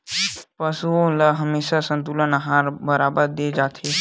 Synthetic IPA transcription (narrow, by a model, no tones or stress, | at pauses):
pəsuõləɦəmeːʃasə̃nt̪ulənɦaːɾbəɾaːbəɾd̪eːd͡ʒaːt̪ʰe